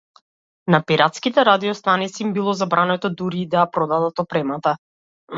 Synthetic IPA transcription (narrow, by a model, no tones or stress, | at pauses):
napiɾat̪skit̪ɛɾad̪iɔst̪anit̪siːmbilˠɔzabɾʔanɛt̪ɔd̪uɾiːd̪ajapɾɔd̪ad̪at̪ɔpɾɛmat̪a